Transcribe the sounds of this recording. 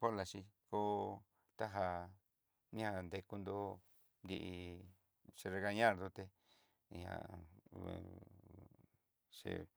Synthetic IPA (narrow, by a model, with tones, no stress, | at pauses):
po˦la˨ʃi˧ko˦ | t̪a˦ɦa˧ | ɲ̃˦ã˦˧˨nd̪e˧ku˧nd̪o˦ | nd̪i˧ʔi˧ | t͡ʃi˧ɾe˧ɣa˧ɲã˦˧d̪u˧t̪e˧˨ | ɲã̰˨ | ʂḭ˨˧